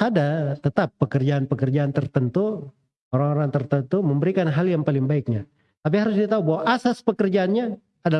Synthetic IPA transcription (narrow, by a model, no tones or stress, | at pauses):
adat̪ət̪apːəkərd͡ʒaːnpəkərd͡ʒaant̪ərt̪ənt̪u | oɾaŋoɾaŋt̪ərt̪ənt̪uməmbəɾikanɦaljaŋpalɪŋbaɪk̚ɲa | t̪ap̬iɦaɾʊs̬diat̪aubaɦwaʔasaspəkərd͡ʒaːnɲaː | da